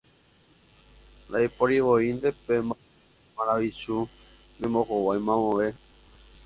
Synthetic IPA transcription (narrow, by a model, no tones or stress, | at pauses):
nd̪aipoɾiʋoind̪epemba | mãɾaʋisu | mĩmbõkowajmãmõʋe